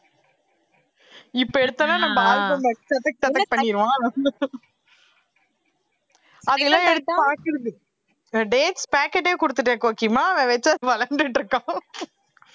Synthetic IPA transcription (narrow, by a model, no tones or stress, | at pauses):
ɪpːoɛɽɯt̪ːɐnãːnɐmbɐaːlbɯmɐsɐt̪ɐk̚ːsɐt̪ɐk̚pɐɳːɪɾɯʋãː | ɐðɯɣɐlãːɛɽɯt̪ːɯpaːkɪɾɯɯ | ɖeːʈspaːkɛʈːeːkʊɽɯt̪ːɯʈːẽːkoːkimaːɐʋɛ̃ʋɛt͡ʃːɐðɯpɐlɐnɖ̪ɯʈːɾɯkːãː